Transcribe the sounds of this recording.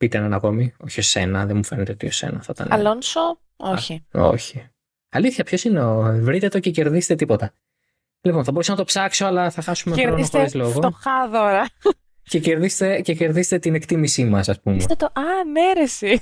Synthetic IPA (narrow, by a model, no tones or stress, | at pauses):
pit̪enɐnɐko̞mio̞çio̞se̞nɐðemufeɾnet̪eot̪io̞sḛnɐθɐt̪ɐ̰nɐ̰lonso | oçio̞̰çi | ɐliθçɐpço̞sine̞oevɾit̪e̞t̪o̞cece̞ɾðise̥t̪et̪ipo̞t̪ɐ | lipo̞nθɐboɾusonɐt̪opsɐkso̞ɐlɐθɐxɐsumeɾooxoɾizloɣo̞t̪oxɐðoɾɐ | ceceɾðist̪e̞ce̞ce̞ɾðiset̪et̪ine̞kt̪imisimɐsɐspumset̪et̪oʔɐneɾesi